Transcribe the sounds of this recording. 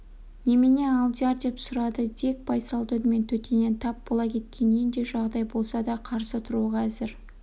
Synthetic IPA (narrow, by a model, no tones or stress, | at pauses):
nemene̞ɑlˠd̪ijɑɾd̪e̞psʊɾɑd̪əd̪e̞k̚bɑjsɑlˠd̪ʰɵd̪əme̞nt̪ʰɵt̪e̞ne̞nt̪ʰɑp̚bolˠɑkʲʰe̞t̪̚kʲe̞nejnd̪e̞ʒɑʁd̪ɑjbo̞lˠsɑd̪ɑqʰɑɾsət̪ʰʊɾuʁɑːzɪɾ